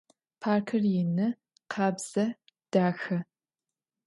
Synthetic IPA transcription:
pʰaːrkʰɐrjɪnɨ | qʰɑːbz̥ɐ | d̥aːxɐ

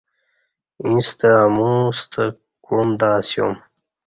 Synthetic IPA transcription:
ĩst̪əamũst̪ʰə | kumd̪aːsjo̰m

